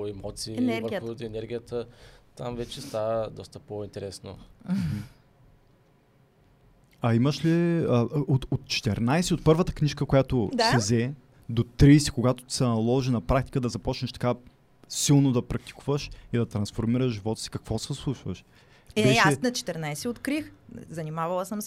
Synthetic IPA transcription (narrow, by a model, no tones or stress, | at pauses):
oɛmɔt̪siːvɾxod̪iɛnɛɾɡʲijət̪ət̪a̰mvɛt͡ʃɛst̪avəd̪ɔst̪əpoint̪ɛɾɛsno̰m̩ | ɐiməʃliəot̪ot̪̚t͡ʃɛ̥t̪ɛɾnajsɛot̪̚pɤɾvət̪ə̥kniʃkəkojat̪osɛzɛ | d̪ot̪ɾiːsɛ̥koɡat̪o̥t̪i̥sɛnɐlˠɔʒinɐpɾakt̪i̥kəd̪ɐzɐpɔt͡ʃnəʃt̪ɐka | silˠnod̪ɐpɾɐk̚t̪i̥kuvəʃid̪ɐt̪ɾɐnsfoɾmiɾəʒʒivɔt̪ə̥si̥kɐkv̥ɔsɛslˠuʃvə̰ʃ | bɛʃaɛnɐt͡ʃɛ̥t̪ɛɾnajsɛot̪kɾixzɐnimavɐlˠəsəms